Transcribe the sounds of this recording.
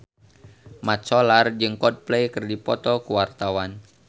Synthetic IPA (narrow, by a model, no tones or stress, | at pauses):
mat̪t͡ʃɔlard͡ʒɨŋkɔd̚plɛjkɨrdipɔt̪ɔkuwart̪awan